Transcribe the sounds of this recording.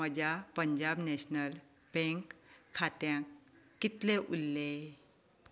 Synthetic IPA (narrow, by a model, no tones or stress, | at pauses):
məd͡ʑapəɲd͡ʑabneɕnəl | beŋkʰːat̪jãkː | it̪leʔulːe